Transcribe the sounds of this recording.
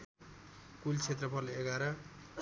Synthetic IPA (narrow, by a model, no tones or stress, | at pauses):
kult͡sʰet̪rʌpʰʌleɡaɾʌ